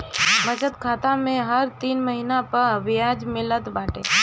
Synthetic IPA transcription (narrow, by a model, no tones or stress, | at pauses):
məd͡ʒət̪kʰaːt̪amẽɦəɾt̪iːnməɦinapəɾʋjad͡ʒmɪlət̪baːʈe